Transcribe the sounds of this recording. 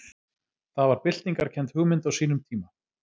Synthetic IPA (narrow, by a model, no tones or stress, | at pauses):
θaðvaɾpɪl̥t̪niŋkaɾ̥cʰɛnt̪hʏɣmɪnt̪awsiːnʏmt̪ʰiːma